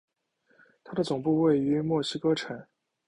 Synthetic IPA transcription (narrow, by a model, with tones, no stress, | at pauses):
t̪ʰa˥d̪ə˨˩t͡sʊ˨˩ŋpu˥˧we˥˩ɪy˧˥mwɔ˥˩ɕi˥kɤ˥ʈ͡ʂʰa˨˩˦n